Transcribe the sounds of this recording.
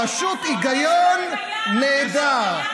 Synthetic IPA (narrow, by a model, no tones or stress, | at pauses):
ɐʃut̪iɡɐjoːnː | ed̪a